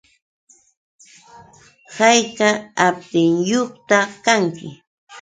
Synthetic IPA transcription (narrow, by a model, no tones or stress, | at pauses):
hɑjkaap̚t̪ɪŋjoχt̪akaŋkɪ̰